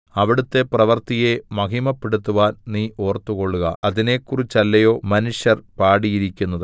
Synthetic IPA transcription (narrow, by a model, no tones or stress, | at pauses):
ɐʋiɽut̪ːe̞prɐʋɐrt̪ije̞mɐɦimɐpːiɽut̪ːuʋaːnniːo̞ːrt̪ːuko̞ɭːuɣɐɐðine̞kːurit͡ɕːɐlːɐjo̞ːmɐnuʂjɐrpaːɽijiɾikʲːunːɐðɨ